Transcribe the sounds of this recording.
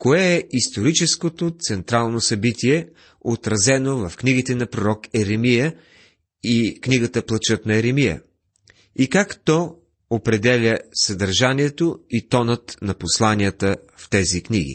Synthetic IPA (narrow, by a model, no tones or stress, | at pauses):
koɛɛʔist̪oɾit͡ʃɛskot̪ot̪sɛnt̪ɾalˠnosɐbit̪iɛ | ot̪ɾɐzɛnovɐfkniɡit̪ɛnɐpɾoɾɔkɛɾɛmijə | ikniɡət̪əplˠɐt͡ʃɤt̪nɐɛɾɛmijə̰ | ikakt̪ɔ | opɾɛd̪ɛlʲəsɐd̪ɐɾʒaniɛt̪oit̪ɔnət̪nɐposlˠanijət̪ə | ft̪ɛzikniɡ̟ḭ